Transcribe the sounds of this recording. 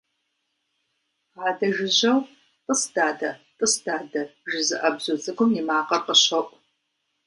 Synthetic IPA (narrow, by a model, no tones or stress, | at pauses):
ɑːdɐʒɪʑɐw | qəsd̥aːdɐtʼəsd̥aːdɐʒɪzɨʔɐbzuzʼɨɡʷʊmjimaːqɐrqəɕɐʔʷʼ